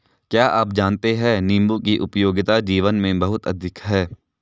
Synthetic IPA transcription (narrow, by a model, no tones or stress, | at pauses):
kjaːʔaːp̚d͡ʒaːnt̪eɦɛ̃ːnĩːmbukiʔʊpjoːɡɪt̪ad͡ʒiːʋənmẽbɐɦʊt̪ɐd̪ʱɪkɦɛː